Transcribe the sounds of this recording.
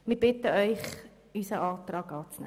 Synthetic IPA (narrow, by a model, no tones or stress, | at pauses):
mibɪtəœʏχ | ysəʔɑːtrɑːkɑːt͡snɛ̰